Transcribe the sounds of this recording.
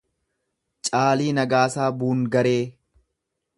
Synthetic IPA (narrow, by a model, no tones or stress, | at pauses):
t͡ʃʼaːliːnɐɡaːsaːbuːŋɡɐɾeː